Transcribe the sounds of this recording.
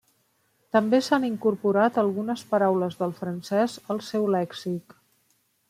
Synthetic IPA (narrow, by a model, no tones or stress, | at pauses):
t̪əmbesaniŋkuɾpuɾat̪əlˠɣunəspəɾawləzðəlˠfɾənsɛzəlˠsɛwlɛksik